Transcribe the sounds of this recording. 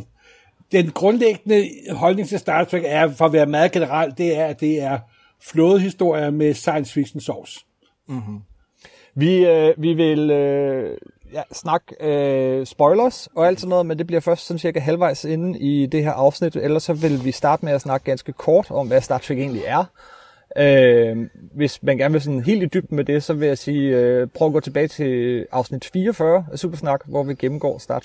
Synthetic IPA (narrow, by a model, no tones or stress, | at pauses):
d̥enɡ̥ʁɔ̽nleɡ̥ənəhɒ̽lne̝ŋt͡sʰesd̥ɑ̥̈ːt͡sʰʁɛɡ̥æɐfɒ̽ʋæːɐmæːð̩ˠɡ̥e̝nəʁɑl̰d̥e̝æɐæd̥e̝æɐ | flɔːð̞̩ˠɦisd̥o̝ɐ̰jɐmesɑ̈ɪnsfiɡ̥sn̩sɒs̩ | ʋiøʋiʋe̝lø | jæsnɑ̈ɡ̥øsb̥ɒ̽ɪlɐsɒ̽æld̥sɔnːɔːð̩ˠmend̥e̝b̥liɐfɶɐsd̥sɒ̽nsiɐɡ̥æɦælʋɑ̈ɪ̰se̝nn̩id̥e̝ɦeɐʔɑ̈ʊsnid̥elɐsːɒ̽ʋe̝lʋisd̥ɑ̈ːd̥əmeæsnɑ̈ɡ̥əɡ̥ænsɡ̥əkʰɒːd̥ɒ̽mʋæsd̥ɑ̥̈ːt͡sʰʁɛɡ̥e̝̰ːnliʔæɐ | ø | ʋe̝smænɡ̥æɐnʋe̝s̬ɔ̽nɦe̝̰ːld̥id̥yb̥̚d̥med̥e̝sɒ̽ʋe̝jæsiːøpʰʁœʊɐæɡɔ̰ːt͡sʰe̝b̥ɛːɪt͡sʰe̝ɑ̈ʊsnid̥fiːɐɒfɶːɐsṵːb̥ɐsnɑ̈ɡ̥ʋɒʋiɡ̥emm̩ɡ̥ɒ̰ːsd̥ɑ̈ː